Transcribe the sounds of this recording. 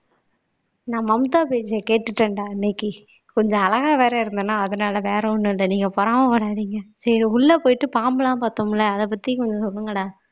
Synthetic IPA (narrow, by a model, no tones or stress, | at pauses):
nãːmɐmt̪aːpeːd͡ʒɐkeːʈːɯʈːɐɳɖaːɪnːekːi | kɔɲd͡ʒɔ̃ɐlɐɣaːʋeːɾɐɪɾɯnd̪ɯnːãːɐðɐnaːlɐʋeːɾɐʊɳːɯɪlːɐniːŋɡɐpɔːɾaːmɐpɐɽaːðiːŋɡɐsɐɾiʊɭːɐpoːjɪʈːɯpaːmbɯlãːpɐt̪ːomɪlːɐɐðɐp̬ɐt̪ːijɐkɔɲd͡ʒɔ̃sɔlːɯŋɡɐɽaː